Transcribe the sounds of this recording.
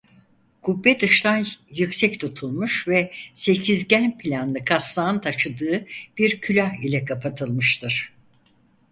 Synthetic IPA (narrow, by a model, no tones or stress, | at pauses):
kʰubːɛd̪ɯʃt̪ʰanjycsɛct̪ʰut̪ʰulˠmuʃvɛse̞cʰizɟænpʰilʲanːˠɯkʰaslˠaːɯnt̪ʰaʃɯd̪ɯːb̥iɾcʰylʲahilʲɛkʰapʰat̪ʰɯlˠmɯʃt̪ʰɯɾ̥